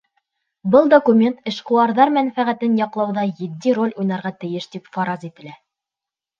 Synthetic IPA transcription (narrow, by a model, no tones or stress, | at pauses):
bɤlˠd̪okumʲe̞nt̪ɘ̆ʃqŭɑɾðɑɾmænfæʁæt̪ɘnjɑqlˠɑwðɑjɘ̆d̪ːiɾolʲujnɑɾʁɑt̪ɘ̆jɘʃt̪ipfɑɾɑzit̪ɘ̆læ